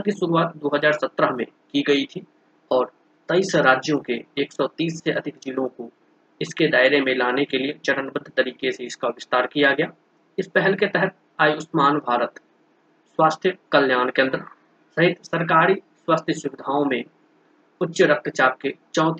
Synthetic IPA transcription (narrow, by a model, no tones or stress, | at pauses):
kiʃʊɾuaːt̪d̪oːɦəzaːɾsɐt̪ɾəɦmḛ̃kiɡɐit̪ʰi | ɔːɾ | t̪ɐiːsɾaːd͡ʒjõkeeːksɔːt̪iːsːeʔɐd̪ʱɪkd͡ʒɪlõko | ɪsked̪aːɪɾemẽlaːnekeliet͡ʃɐʈənbəd̪ʱt̪ɐɾiːkeseɪskaʋɪst̪aːɾkijaɡɐjaː | ɪspɛɦɛlket̪ɛɦət̪̚ | aːjʊsmaːnbʱaːɾət̪ | swaːst̪ʰjəkɐljaːnkẽə̃nd̪əɾ | sɐɦɪt̪sɐɾk̬aːɾi | swaːst̪ʰjəsʊʋɪd̪ʱaːõmẽ | ʊtːʃəɾək̚t̪t͡ʃaːp̚ket͡ʃɔ̃ːt̪